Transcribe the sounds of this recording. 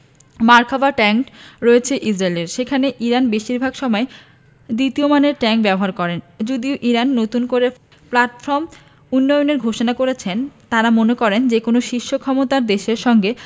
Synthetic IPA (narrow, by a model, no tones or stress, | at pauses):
maɾkʰabaʈɛŋkɾɔet͡ɕʰeʔisɾaeleɾʃekʰaneʔiɾanbeʃiɾbʱaɡʃɔmɔe | d̪ɾit̪iomaneɾʈɛŋk̚bɛboɦaɾkɔɾend͡ʑod̪ioʔiɾanːot̪unkoɾe | plaʈfɔɾm | unːɔjoneɾɡʱoʃonakoɾet͡ɕʰent̪aɾamonekɔɾend͡ʑekonoʃiʃːokʰɔmot̪aɾd̪eʃeɾʃɔŋɡe